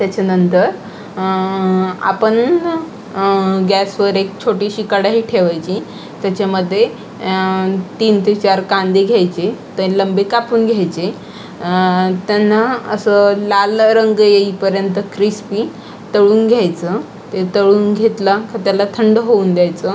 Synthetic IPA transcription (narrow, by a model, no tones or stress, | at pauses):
t̪jat͡ɕanənt̪əɾ | a̰pəɳ | ɡʱjɛsʋəɾek̚t͡ɕʰoʈiːɕikəɽaɦiːʈʰeʋajt͡ɕi | t̪jat͡ɕaməd̪ʱːje | t̪iːnt̪et͡ɕaɾkand̪iɡʱjajt͡ɕet̪ələmbikapuːnɡʱjajt͡ɕe | t̪janːaəsəlalɾəŋɡjeiːpəɾjənt̪əkɾispi | t̪əɭuːnɡʱjajt͡sə | t̪et̪əɭuːnɡʱet̪lakət̪jalat̪ʰəɳɖɦouːnd̪jajt͡sə